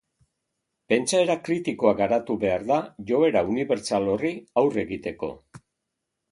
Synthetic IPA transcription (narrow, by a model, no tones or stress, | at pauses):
pe̞nt͡ʃae̞ɾakɾit̪iko̞aɡaɾat̪uβe̞aɾðaʝo̞e̞ɾauniβe̞ɾt͡salo̞riawre̞ɣit̪e̞ko̞̰